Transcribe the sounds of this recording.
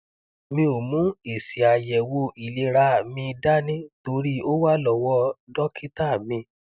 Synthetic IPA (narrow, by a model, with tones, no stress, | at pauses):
mĩ˧o˨mũ˨˦e˨si˨a˨jɛ˨wo˧i˨le˨˧˦ɾa˧˨mĩ˧da˦nĩ˦to˧˦ɾi˦o˦wa˦lɔ˨wɔ˦dɔ˦ki˦ta˦˨mĩ˧